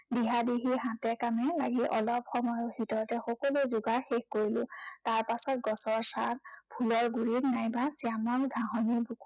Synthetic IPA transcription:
diɦadiɦiɦãtɛkamɛlaɡiʔɔlɔpxɔmɔjɔbitɔɹɔtɛxɔkɔluzuɡaɹxexkoɹilʊ̃taɹpasɔt̚ɡɔsɔɹsa̰nbʰʱulɔɹɡuɹitnajbasiamɔnɡʱãɦɔnibʱuk

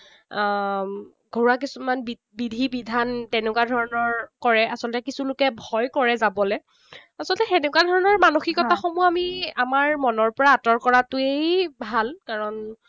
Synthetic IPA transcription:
ɡʱoɹuak̬isumanbi | bidʱibidʱantɛnɛkwadʱɔɹɔnɔɹkɔɹɛʔasɔlɔtɛkisulʊkɛbʱɔjkɔɹɛzabɔlɛ | asɔltɛxɛnɛkwadʱɔɹɔnɔɹmanoxikɔtaxɔmuamiamaɹmɔnɔɹpɔɹaːtɔɹkɔɹatʊejbʱalkaɹɔn

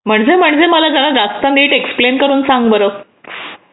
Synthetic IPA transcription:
m̤əɳd͡zem̤əɳd͡zeməlad͡zʱalad͡zast̪əniːʈeksplenkəɾuːnsãŋɡbəɾo

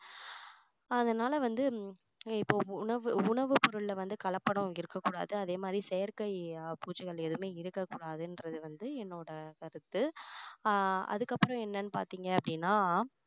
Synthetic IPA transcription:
ɐðɐnaːlɐʋɐnd̪ɯ | ɪpːoːʊɳɐʋɯʊɳɐʋɯpɔɾɯɭlɐʋɐnd̪ɯkɐɭɐpːɐɽʊ̃ɪɾɯkːɐkːuːɽa̰ːðɯɐðeːmaːd̪ɾisɛjɐɾkɐɪpuːt͡ʃːɯɣɐɭɛðɯmeːɪɾɯkːɐkːuːɽaːðɯɛndɾɐðɯʋɐnd̪ɯɛnːoːɽɐkɐɾɯt̪ːɯ | ɐ̰ðɯkːɐpːɯɾɔ̃ɛnːɐnːɯpaːɾt̪iːŋɡɐɐpːɐɽɪnːaː

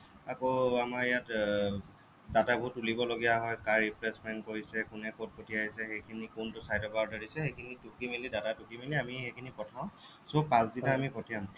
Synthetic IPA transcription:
akoamaɹijat | databɦutːulibɔloɡijaɦɔjkaɹipɹɛsmɛnkoɹisɛkʊnɛkot̚potiaɦisɛxejkʰinikuntʊsajdɔpadaɹisɛxejkʰinitukimilidatatukimiliamixejkʰinipɔtʰãw̃ | sopãsditaːmipɔtijam

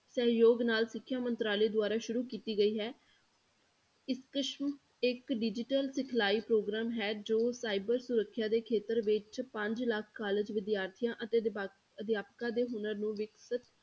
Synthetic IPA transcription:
səɦjoːɡnaːlsɪkʰːjaːmənt̪ɾaːleːd̪ʊaːɾaːʃʊɾuːkiːt̪iːɡəiːɦɛː | ɪskəʃm | ɪkɖɪd͡ʒɪʈəlsɪkʰlaːiːpɾoːɡɾaːmɦɛːd͡ʒoːsaːɪbəɾsʊɾəkʰːjaːd̪eːkʰeːt̪əɾʋɪt͡ʃpə̃ɲd͡ʒləkʰːaːləd͡ʒʋɪd̪jaːɾt̪ʰijãːʔət̪e | əd̪ɪjaːpkãːd̪eːɦʊnəɾnũːʋɪksɪt̪

